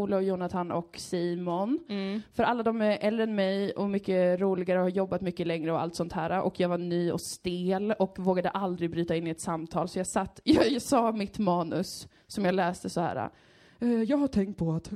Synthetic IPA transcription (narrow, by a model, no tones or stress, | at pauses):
uːlajuːnat̪ʰanʔɔ̰ksiːmɔnfœɾʔalːad̪ɔmɛʔɛlːɾɛnmɛjʔɔmʏkːəɾuːlɪɡaɾəhaɾjɔbːat̪mʏkːəlɛŋɾəɔa̰lt̪sɔnt̪hæːɾaʔɔkʰjɑːɡvanyːɔ̰st̪eːlɔkvoːɡad̪əʔald̪ɾɪbɾyːt̪aɪnːɪɛt̪samt̪ʰɑːlsɔjɑːɡsat̪ːjsɑːmɪt̪mɑːnɵsː | ɔmjɑːɡlɛːst̪əsɔhæ̰ːɾa̰ | ɛjɑːɡhaʈʰɛŋkt̪̚pʰɔat̪